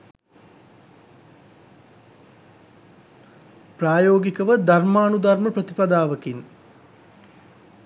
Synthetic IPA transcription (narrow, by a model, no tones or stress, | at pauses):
praːjoːɡikəʋəd̪armaːnud̪ɐɾməprət̪ipad̪aːʋəkin